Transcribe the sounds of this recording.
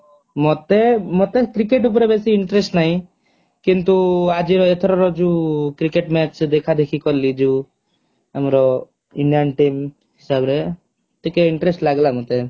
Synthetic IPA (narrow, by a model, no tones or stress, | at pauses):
mɔt̪emot̪ekɾikeʈ̬up̬ɔɾebesiːɳʈɾesʈnaɦĩ | kint̪uad͡ʒiɾɔet̪ʰɔɾɔɾɔd͡ʒukɾikeʈmɛt͡ʃd̪ekʰad̪ekʰikɔɾlid͡ʒu | amɾɔ | iɳɖijanʈim | ɦisabɾe | ʈʰikeiɳʈɾesʈlaɡlamɔt̪e